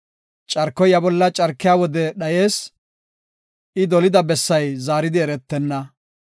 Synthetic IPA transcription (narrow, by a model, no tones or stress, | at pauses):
t͡ʃʼɐɾkːɔjɐbɔlːɐt͡ʃʼɐɾkːɪjaːwɔd̪ɛɗɐje̞ːs | ɪd̪ɔlɪd̪ɐbɛsːɐjzaːɾɪd̪ɪɛɾɛt̪ːɛnːɐ